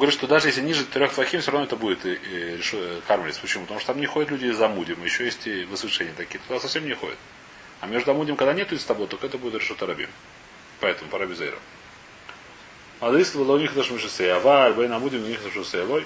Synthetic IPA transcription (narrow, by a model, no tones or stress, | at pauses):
ɡəvɐɾʲit̪ʂt̪od̪aʐɨjes̬ʲlʲɪnʲiʐɨt̪ɾʲoxplˠɐxʲimfsʲoɾɐvnoɔɛt̪əbudʲɪt̪ɾʲɪʂɨkarmʲɪlʲɪ̰sʲpət͡ɕɪmupət̪ɐmuʂt̪t̪amnʲɪxodɪt̪lʲudʲɪzɐmudʲɪmɨjɪɕːojesʲtʲɪvɨsvɨʂɛnʲɪjət̪ɐkʲiət̪k̪d̪asɐfsʲemnʲɪxo̞̰dʲɪ̰t̪ | ɐmʲeʐd̪ʊɐmudʲɪmkɐɡd̪anʲet̪ʊɪst̪ɐbojt̪okɛt̪əbudʲɪt̪ɾʲɪʂɨt̪əɾɐbʲḭm | pɐɛt̪əmʊpɐɾabʲɪzəḛjɾə̰ | ad̪isbɨlˠɐʊnʲixt̪əʂmʲiʂɨsejɐvalʲbɛjnɐmudʲɪmnʲixt̪mʂɨsəjɐlˠoj